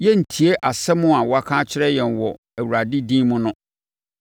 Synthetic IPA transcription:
jɛ˦n̩˨tʰi˨e˦ʔa˨sɛ˦mʊ̃˦a˨wɔ˦a˨kʰãː˦t͡ɕʰɪ˦ɾɛ˦jɛ˨n˨wɔ˨ | æ˨wu˨ɾa˨di˦dĩ˦mʊ̃˦nʊ̃˦

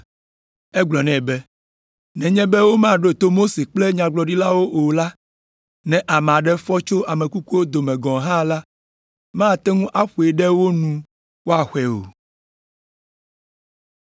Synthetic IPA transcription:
ɛ˦ɡ͡blɔ˨nɛ̃˨bɛ˦ | nɛ̃˨ɲɛ̃˦bɛ˦wo˦mã˦˨ɖo˦˨t̪o˦mo˦se˨k͡plɛ˦ɲã˨ɡ͡blɔ˨ɖi˦la˦wo˦ʔo˨la˦ | nɛ̃˨ʔa˨mɛ̃˨a˨ɖɛ˦fɔ˦t͡ʃo˦ʔa˨mẽ˨ku˦ku˦wo˦d̪o˨mɛ̃˨ɡɔ̃˨ɦã˦la˦ | mã˦˨t̪ɛ˦ŋũ˦ʔa˦ɸu˨e˨ɖɛ˦wo˦nũ˦ | wo˦a˨xʷɛ˨o̰˨

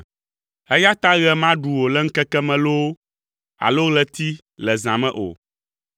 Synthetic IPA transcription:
ɛ˦ja˦t̪a˦ɣɛ˦mã˦ɖu˨wo˨lɛ˦ŋ̩˦kɛ˦kɛ˦mɛ̃˨lo˦ | a̰˨lo˦ɣlɛ˦t̪i˦ | lɛ˨zã˨mɛ̃˦ʔo̰˨

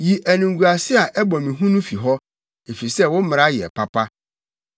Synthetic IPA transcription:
ji˨ʔæ˨nĩ˨ŋɡu˨a˨sɪ˦a˨ʔɛ˦bɔ̃˨mĩ˨ɦũ˦nũ˦fi˨ɦɔ˦ | e˨fi˨i˨sɛ˦˨wʊ̃˦m̩˦mɪ̃˨a˦jɪ˨ɛ̰˨pʰa˦pʰa˦

